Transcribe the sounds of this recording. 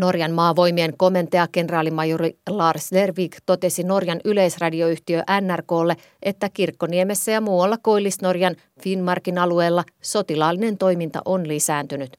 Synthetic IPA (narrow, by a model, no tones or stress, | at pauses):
no̞rjɑnmɑːʋo̞jmieŋko̞me̞nt̪eɑke̞nrɑːlimɑjurilɑːrslerʋiːkt̪o̞t̪e̞sino̞rjɑnyle̞jsrɑdioyht̪iøʔænːærko̞ːlːe̞ | ʔe̞t̪ːækirkːonieme̞sːæjɑmuːwɑlːɑko̞ilːisno̞rjɑn | finmɑrkinɑlue̞ːlːɑso̞t̪ilɑːlːine̞nt̪o̞jmint̪ɑ̰ʔonlisæːnt̪ynyt̪